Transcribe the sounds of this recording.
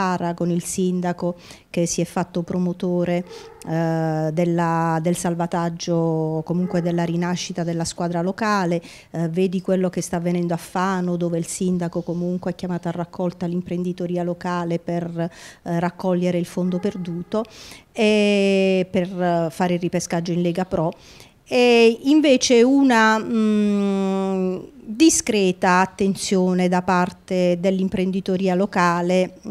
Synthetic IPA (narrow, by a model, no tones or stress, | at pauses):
aɾakonilsind̪akok̟esːiɛfːat̪ːopɾomot̪oːɾe | d̪elːad̪elsalvat̪ad͡ʒːokomuŋkwed̪elːaɾinaʃːit̪ad̪elːaskwaːd̪ɾalokaːle | veːd̪ikwelːok̟est̪avːenɛnd̪oafːaːnod̪oːveilsind̪akokomuŋkweɛkːjamaːt̪oarːakʰːɔlt̪alimpɾend̪it̪oɾiːalokaːleperː | akːɔʎːeɾeilfond̪operd̪uːt̪oɛ | perfaːɾeiripeskad͡ʒːoinlɛːɡapɾɔ | ɛiɱveːt͡ʃeuna | d̪iskɾɛːt̪aːt̪ːent̪sjoːned̪apart̪ed̪elːimpɾend̪it̪oɾiːalokaːle